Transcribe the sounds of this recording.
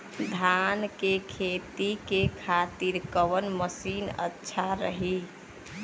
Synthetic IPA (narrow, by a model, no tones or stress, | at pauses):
d̪ʱankekʰet̪ikekʰat̪iɾkəʋənməsinə̰tːʃʰaɾəɦi